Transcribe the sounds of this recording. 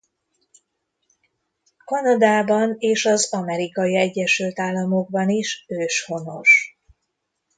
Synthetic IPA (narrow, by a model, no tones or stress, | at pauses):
kɒnɒd̪aːbɒneːʃɒzɒmɛɾikɒjiɛɟːɛʃylt̪aːlːɒmo̞ɡ̚bɒniʃøːʃho̞no̞ʃ